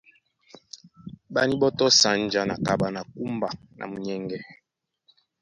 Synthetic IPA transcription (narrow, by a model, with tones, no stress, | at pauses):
ba˦ni˦bɔ˦tɔ˦sa˨n̩˨˦d͡ʒa˦na˨ka˨ɓa˨na˨ku˦mba˨ | nʔa̰˨mu˨ɲɛ˦ŋɡɛ˦